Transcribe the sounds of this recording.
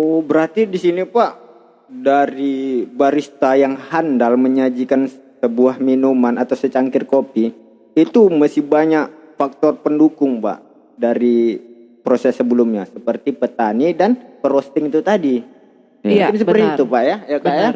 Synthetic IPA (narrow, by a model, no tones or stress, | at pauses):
obəɾart̪idisinipaʔ | daɾibaɾist̪ajaŋhandalməɲad͡ʒikansəbuahminumanat̪awsət͡ʃaŋkɪrkopiː | t̪umasɪhbaɲak̚ | fak̚t̪ɔrpəndukʊŋpa̰ʔ | daɾi | pɾosɛsːəbəlumɲasəpərt̪ipət̪anidanpəɾost̪ɪŋit̪ut̪adi | uɪnsəpərt̪iit̪upaʔjajakaa